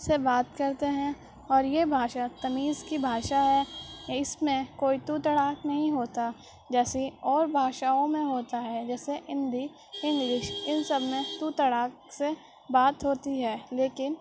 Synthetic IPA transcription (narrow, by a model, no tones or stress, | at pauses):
sebaːt̪kɐɾt̪eɦɛ̃ | ɔːɾjebʱaːʃat̪ɐmiːzkibʱaːʃaɦɛːɪsmẽkoːit̪ut̪əɽaːknɐɦĩɦoːt̪a | d͡ʒɛːsiɔːɾbʱaːʃaːõmẽɦoːt̪aɦɛd͡ʒɛːseʔɪ̃nd̪ʱi | ɪ̃nɡɪʃɪnsəbʱmẽt̪ut̪əɽaːk | se | baːt̪ɦoːt̪iɦɛːleːkɪn